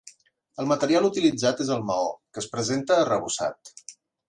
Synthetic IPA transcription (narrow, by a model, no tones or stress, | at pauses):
əlˠmət̪əɾialˠut̪ilid͡zat̪ezəlˠməo̰kəspɾəzent̪əːrəβ̞usa̰t̪